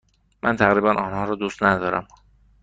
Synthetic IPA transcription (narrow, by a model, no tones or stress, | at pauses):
mʔænt̪ʰæɣɾiːbænʔɒːnhɒːɾɒːd̪uːst̪næd̪ɒːɾæ̰m